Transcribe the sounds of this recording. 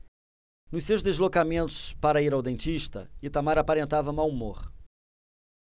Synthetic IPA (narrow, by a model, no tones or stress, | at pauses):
nʊʃsewʒd̪eʒlokamẽnt̪ʊ̥spaɾɐiɾawd̪ẽnt͡ʃ̪iʃt̪ɐ̰ɪt̪amaɾapaɾẽnt̪avɐmawmoχ